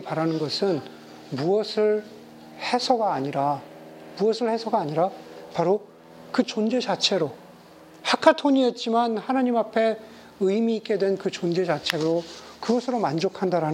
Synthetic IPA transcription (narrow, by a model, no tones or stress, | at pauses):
paɾanɯnɡʌsʰɯn | muʌsʰɯɭ | he̞sʰʌɡaːɲiɾa | muʌsʰɯɭhe̞sʰʌɡaːɲiɾapaɾo | kɯt͡ɕond͡ʑe̞t͡ɕat͡ɕʰe̞ɾo | hakʰatʰoɲiet̚t͡ɕ͈imanhanaɲimapʰe̞ | ɯimiːk͈e̞dwe̞nkɯt͡ɕond͡ʑe̞t͡ɕat͡ɕʰe̞ɡɯɾo | kɯɡʌsʰɯɾomand͡ʑokʰandaɾan